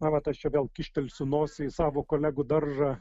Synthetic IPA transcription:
mɐʋɐt̪ɐʃt͡ʃʲɛʋʲeːlˠkʲɪʃʲt̪ʲɛlʲsʲʊnoːsʲɪɪsɑːʋoːkoːlʲæːɡʊd̪ɐrʒɐ

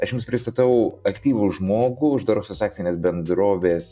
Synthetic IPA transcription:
ɐʃjʊmspʲɾʲɪst̪ɐt̪ɐʊɐkt̪ʲiːʋuʒmoːɡʊʊʒd̪ɐɾɐʊsʲʊsɑkt̪ʲɪnʲeːsbʲɛnd̪ɾoːʋʲeːs

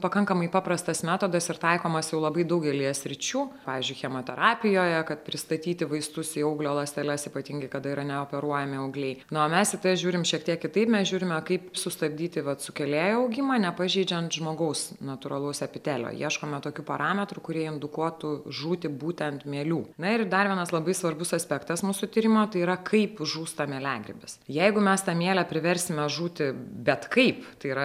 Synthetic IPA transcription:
pɐkɐŋkɐmɐɪpɑːpɾɐst̪ɐsmʲæːt̪oːd̪ɐsɪɾt̪ɐɪkoːmɐsjɛʊlˠɐbɐɪd̪ɐʊɡʲɛlʲijɛsʲɾʲɪt͡ʃʲuːpɑːʋʲɪːzʲd͡ʒʊɪxʲɛmoːt̪ʲɛɾʔɑːpʲɪjoːjɛkɐt̪̚pʲɾʲɪst̪ɐt̪ʲiːt̪ʲɪʋɐɪst̪ʊsiɐʊɡlʲoːlˠɐsʲt̪ʲɛlʲɛsiːpɐt̪ʲiːŋɡɐɪkɐd̪ɐiːɾɐnʲɛoːpʲɛɾuɔjɛmʲɪɐʊɡlʲɛɪnʊoːmʲɛsʲɪt̪ɐʒʲuːɾʲɪmʃʲiɛkt̪ʲiɛkkʲɪt̪ɐɪpmʲɛsʒʲuːɾʲɪmʲɐkɐɪpsʊst̪ɐb̚ʲd̪ʲiːt̪ʲɪʋɐt̪sʊkʲɛlʲeːjoɐʊɡʲɪmɑːnʲɛpɐʒʲɛɪd͡ʒʲɛnt̪ʒmoːɡɐʊsnɐt̪ʊɾɐlˠoʊsɛpʲɪt̪ʲæːlʲo̰ːjḭɛʃkoːmʲɛt̪oːkʲuːpɐɾɑːmʲɛt̪ɾʊkʊɾʲeɛjomd̪ʊkuɔt̪uʒuːt̪ʲɪbuːt̪ʲɛnt̪mʲiɛlʲuːnɐɪrd̪ɐɾʋʲiɛnɐslˠɐbɐɪsʋɐrbʊsɐsʲpʲɛkt̪ɐsmuːsʊt̪ʲiːɾʲɪmot̪ɐɪiɾɐkʰɐɪpʒuːst̪ɐmʲiɛlʲæːɡɾʲɪ̰bʲɪsjɛɪɡʊmʲɛst̪ɐmʲiɛlʲɛpʲɾʲɪʋʲɛɾʲsʲɪmʲɛʒuːt̪ʲɪbʲɛt̪kɐɪpt̪ɐɪiɾɐ

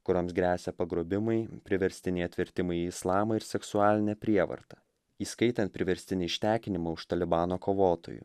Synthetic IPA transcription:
kʊɾoːmsɡɾʲæːsʲɛpɐɡɾoːbʲɪmɐɪpʲɾʲɪʋʲɛɾʲsʲt̪ʲɪnʲɛɪɐt̪ʲʋʲɪɾʲt̪ʲɪmɐɪiɪslˠɑːmɐɪɾsʲɛksʊɑːlʲɪnʲɛpʲɾʲiɛʋɐ̰ɾt̪ɐ | iːskɐɪt̪ʲɐnt̪̚pʲɾʲɪʋʲɛɾʲsʲt̪ʲɪnʲɪɪʃʲt̪ʲæːkʲɪnʲɪmɐʊʃt̪ɐlʲɪbɑːnoːkoːʋoːt̪o̰ːjṵ

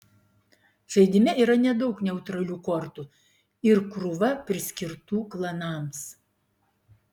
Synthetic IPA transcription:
ʒ̥ɐɪd̪ʲɪmʲɪiːɾɐnʲɛd̪ɐʊknʲɛʊt̪ɾɐlʲuːkɔɾt̪u | ɪɾkɾʊʋɐpʲɾʲɪsʲkʲɪɾt̪uːklˠɐnɑːˑms

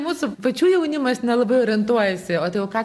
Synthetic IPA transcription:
muːsʊpɐt͡ʃʲuːjɛʊnʲɪmɐsnʲɛlˠɐbɐɪoːɾʲɪnt̪uɔjɛsʲɪoːt̪ɐɪɛʊkɑː

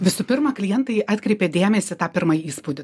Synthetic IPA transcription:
ʋʲɪsʊpʲɪɾmɑːklʲɪjɛnt̪ɐɪʔɑːt̪ʲkɾʲɛɪpʲeːd̪ʲeːmʲɛsʲɪt̪ɑːpʲɪɾmɐjiːspʊd̪ʲɪ

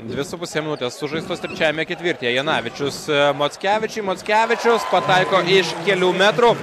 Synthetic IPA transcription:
d̪ʲʋʲɪsʊpʊsʲeːmʲɪnʊt̪ʲeːsːʊʒɐɪst̪oːst̪ʲɾʲɛt͡ʃʲæːʋʲɪmʲɛkʲɛt̪ʋʲɪɾʲt̪ʲejɛjɛnɑːʋʲɪt͡ʃʲʊsmoːt̪ʲkʲæːʋʲɪt͡ʃʲɛɪmoːt̪sʲkʲæːʋʲɪt͡ʃʲʊspɐt̪ɐɪkoːɪʃkʲɛlʲuːmʲæt̪ɾʊ

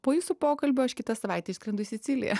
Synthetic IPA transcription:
poːjuːsʊpoːkɐlʲbʲoːɐʃkʲɪt̪ɐsɐʋɐˑɪt̪ʲɛːɪʃsʲkɾʲɛnd̪ʊsʲɪt̪sʲɪlʲɪ̰jɛ̰

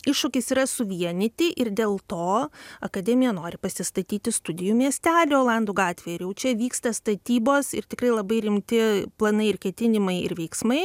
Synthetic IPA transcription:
ɪʃʃʊkʲɪsiːɾɐsʊʋʲiɛnʲɪt̪ʲɪʔɪrd̪ʲeːlˠt̪oːɐkɐd̪ʲɛmʲɪjɛnoːɾʲɪpɐsʲɪst̪ɐt̪ʲiːt̪ʲɪst̪ʊd̪ʲɪjuːmʲiɛsʲt̪ʲæːlʲɪoːlˠɐnd̪uːɡɑːt̪ʲʋʲeːjɪɾjɛʊt͡ʃʲɛʋʲiːkst̪ɐst̪ɐt̪ʲiːboːsɪrt̪ʲɪkrɐɪlˠɐbɐɪɾʲɪmʲt̪ʲɪplˠɐnɐɪɪrkʲɛt̪ʲɪnʲɪmɐɪɪ̰rʋʲɛɪksmɐɪ

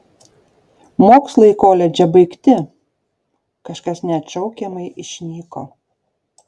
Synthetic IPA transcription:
moːkslˠɐɪkoːlʲɛd͡ʒʲɛbɐɪkt̪ʲɪ | kɐʃkɐsnʲɛɐt̪t͡ʃʲɛʊkʲɛmɐɪʔɪʃʲnʲiːko̰

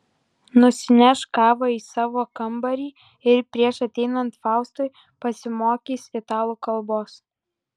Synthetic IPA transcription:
nʊsʲɪnʲɛʃkɑːʋɐiːsɑːʋoːkɐmbɐɾʲiː | ɪɾpʲɾʲiɛʃɐt̪ʲɛɪnɐnt̪fɑˑʊst̪ʊɪ | pɐsʲɪmoːkʲiːsʲɪt̪ɑːlˠuːkɐlˠboːs

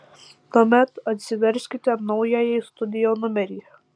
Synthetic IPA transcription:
t̪oːmʲɛt̪ɐt̪ʲsʲɪʋʲɛɾʲsʲkʲɪt̪ʲɛnɔʊjɛjɛjst̪ʊd̪ʲɪjonʊmʲɛɾʲiː

